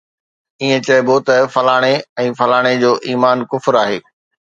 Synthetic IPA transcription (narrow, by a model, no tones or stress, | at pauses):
iɦẽt͡ɕɐebot̪ɐfɐlaːɽ̃eɛ̃ːfɐlaːɽ̃ed͡ʑoːʔiːmaːnkʊfɪɾaːɦeː